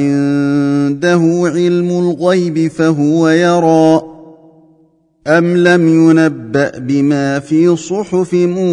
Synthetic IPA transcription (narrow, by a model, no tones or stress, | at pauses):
ɪnd̪aɦʊʕɪlmʊlɣajbɪfaɦʊwajɑɾˤɑːʔ | ʔamlamjʊnabːaʔbɪmaːfiːsˤʊħʊfɪmʊ